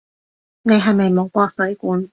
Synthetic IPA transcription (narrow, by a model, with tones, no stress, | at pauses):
ne˨˧jɦɐ˨jme˨jmo˨˧wkʷɔː˧sɵ˨˥ɥkuː˨˥n